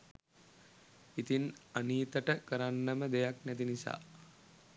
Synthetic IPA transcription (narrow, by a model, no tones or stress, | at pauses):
it̪inaniːt̪əʈəkəɾanːəməd̪ejaknæt̪̬inisa̰ː